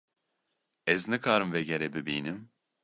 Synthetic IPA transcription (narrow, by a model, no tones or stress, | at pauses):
ɛznɨkʰaːɾɯmvɛɟɛɾɛbibḭːnim